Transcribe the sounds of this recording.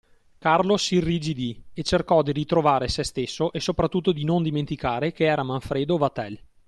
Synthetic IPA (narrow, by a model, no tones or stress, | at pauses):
karlosirːid͡ʒid̪iet͡ʃerkɔd̪iɾit̪ɾovaːɾesɛst̪esːoʔesopɾat̪ːut̪ːod̪inond̪iment̪ikaːɾekeɛːɾamaɱfɾeːd̪ovat̪ɛl